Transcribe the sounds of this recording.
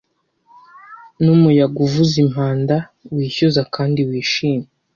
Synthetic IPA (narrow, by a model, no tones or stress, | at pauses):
numujaɡuvuzim̥haːndawiːçuzakaːndiwiːʃiːme